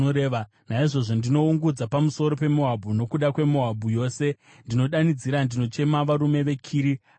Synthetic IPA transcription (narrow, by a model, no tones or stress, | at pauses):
oɾeːʋa | naiʐo̞ʐo̞ndino̞uŋɡud͡zapamuso̞ɾo̞pe̞mo̞ɦabʱuno̞kuɗakwe̞mo̞ɦabʱujo̞ːse̞ | ndino̞ɗanid͡ziɾandino̞t͡ʃe̞maʋaɾume̞ʋe̞kʰiːɾi